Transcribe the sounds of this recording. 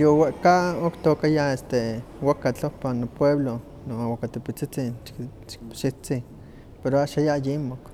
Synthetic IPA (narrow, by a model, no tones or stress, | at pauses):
joweʔkaokt̪okajaest̪ewakat͡ɬopanopweβlo | noawakat̪epit͡sit͡sin | ʃit͡si | peɾoaʃajajimok